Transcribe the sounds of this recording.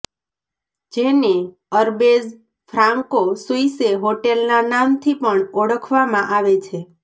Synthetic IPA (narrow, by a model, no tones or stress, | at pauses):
d͡ʒene | əɾbez | fʰɾãŋkosuiseɦoʈelnanamt̪ʰipəɳoɽəkʰʋamãʔaʋet͡ʃʰe